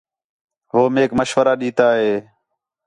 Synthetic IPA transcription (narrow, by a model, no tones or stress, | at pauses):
ʋoːmeːkməʃʋəɾaːɗiːt̪aːɦeː